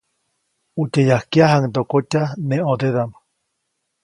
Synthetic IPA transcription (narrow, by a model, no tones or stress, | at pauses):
ut͡ʃejahkiahaŋd̪okot͡ʃaneʔod̪eðama